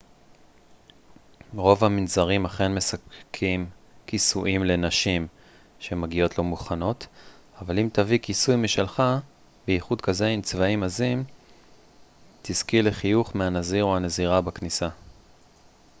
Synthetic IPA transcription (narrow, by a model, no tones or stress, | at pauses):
ʁo̞vhaminzaʁimaχenme̞sakkʰimkisuʔimle̞naʃim | ʃemaɡio̞tlo̞muχano̞t̪ | avalimt̪avikisujmiʃelχa | beiχud̪kaze̞imt͡svaimazim | t̪iskileχijuχmeanaziʁuaneziʁabaknisa